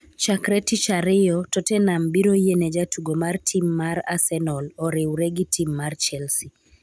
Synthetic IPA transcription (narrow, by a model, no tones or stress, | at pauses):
t͡ʃakɾɛtit͡ʃaɾɪjɔtɔtɛnambiɾojened͡ʒatuɡomartʰimːaɾa̰sɛnɔlɔɾɪwɾeɡɪtʰimːart͡ʃɛlsi